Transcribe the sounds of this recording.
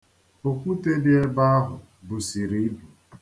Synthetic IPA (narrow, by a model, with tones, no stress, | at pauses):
o˨kʷu˦te˦dɪ˦e˦ba˦a˦ɦʊ˨ | bu˨si˨ɾi˨˦bu˨